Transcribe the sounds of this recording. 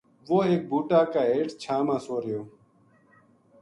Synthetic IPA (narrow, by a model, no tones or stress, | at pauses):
ʋoːeːk̚bʱuːʈaːkaːeːʈt͡ʃʰaːmãːsoːɾɪjoː